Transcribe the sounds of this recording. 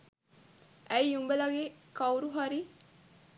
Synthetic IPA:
ʔæjumbəlaɡekawɾuɦaɾi

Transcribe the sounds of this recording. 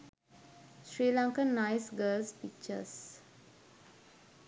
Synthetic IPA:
ʃɾiːlãŋkənːaɪsɡəːlspik̚t͡ʃə̰s

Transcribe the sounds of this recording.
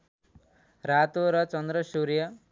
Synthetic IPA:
ɾat̪oɾʌt͡ʃʌnd̪ɾʌsuɾijʌ

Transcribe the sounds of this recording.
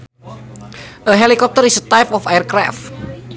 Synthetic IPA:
ʔəɦelikɔp̚t̪əɾisət̪ajpɔfajərkɾa̰ft̪̚

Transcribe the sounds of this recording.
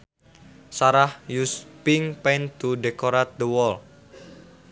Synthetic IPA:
saɾahjuspiŋpɛjnt̪uɖekoɾat̪̚d̪əwɔl

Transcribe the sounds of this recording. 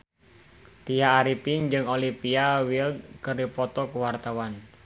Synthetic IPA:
t̪ijaːɾipiŋd͡ʒɨŋolipiawild̪̚kəɾipɔt̪ɔkəwart̪awan

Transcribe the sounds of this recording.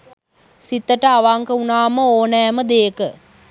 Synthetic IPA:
sit̪ːəʈəaʋaŋkəunaːməoːnɛːməd̪eːkə

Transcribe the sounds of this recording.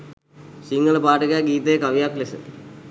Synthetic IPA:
siŋɡɐɭɐpaːʈɐɡaɡiːt̪ejekɐʋijaklesɨ̰

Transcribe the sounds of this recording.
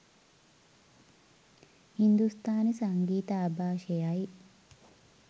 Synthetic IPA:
hind̪ust̪aːnisɐŋɡiːt̪ɐːbaːʃejaji

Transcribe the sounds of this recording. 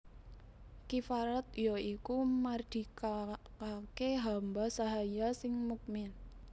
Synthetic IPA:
kifaɾat̪̚jɔikumard̪̥i̤kakakeɦambasaɦajasɪŋmuk̚mɪn

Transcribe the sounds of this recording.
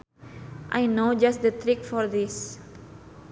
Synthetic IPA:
ʔajnod͡ʒast̚d̪ət̪ɾikfɔrd̪is

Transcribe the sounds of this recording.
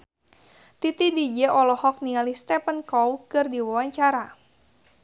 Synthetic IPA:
t̪it̪idid͡ʒɛʔɔlɔhɔk̚niŋalihst̪ɛpənkɔwkɨrdiwawaɲt͡ʃaɾa

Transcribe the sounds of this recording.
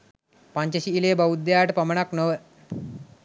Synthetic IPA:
paɲt͡ɕəɕiileːbaʋud̪ːjaːʈəpɐməɳaknəʋə

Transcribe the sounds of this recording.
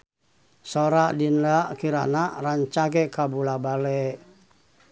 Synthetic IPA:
soɾaʔdindakiɾa̰naraɲt͡ʃaɡɛkabulabalɛ

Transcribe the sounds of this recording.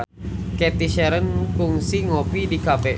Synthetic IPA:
kɛt̪iʃɛɾənkuŋsiŋopidikapɛ

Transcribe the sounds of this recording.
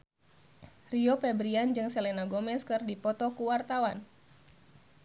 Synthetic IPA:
riɔpɛbɾiand͡ʒɨŋsɛlɛnaɡɔmɛskɨrdipɔt̪ɔkuwart̪awan

